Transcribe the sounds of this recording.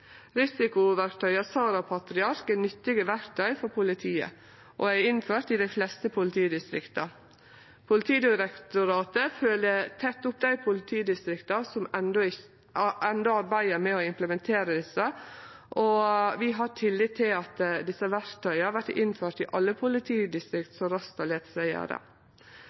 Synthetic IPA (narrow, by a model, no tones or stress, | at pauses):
ɾɪsɪkʊʋæɾkt̪ʰœʏɑsɑːɾɑpʰɑt̪ɾɪɑɾkənʏt̪ːɪɡəʋæɾkt̪ʰœʏfɔɾpʰʊlɪt̪ʰiːə̰ | ʔoæɾɪnføːɾʈ̪ɪd̪æɪflɛst̪əpʰʊlɪt̪ʰiːd̪ɪst̪ɾɪkt̪ɑ | pʰʊlɪt̪ʰiːd̪ɪɾɛkt̪ʊɾɑːt̪əføːlət̪ʰɛt̪ːʊpd̪æɪpʰʊlɪt̪ʰiːd̪ɪst̪ɾɪkt̪ɑsɔmɛnd̪ɔɪ | ʔɛnd̪ɔɑɾbæɪəɾmɛɔɪmpləmɛnt̪ʰeːɾəd̪ɪsəʔɔʋɪɦɑʈʰɪlːɪt̪ʰːɪlɑt̪d̪ɪsːəʋæɾt̪ʰœʏhɑɾʋæɾtɪnːføːɾʈ̪ɪʔɑlːəpʰʊlɪt̪ʰiːd̪ɪst̪ɾɪkt̪sɔɾɑst̪ɑleːt̪sæɪə̰ɾə̰